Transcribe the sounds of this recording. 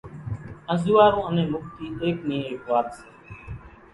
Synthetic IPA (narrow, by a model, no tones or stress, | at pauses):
ə̃zuːaːɾõːənẽːmʊkt̪iːeːknĩːeːkʋaːpəseː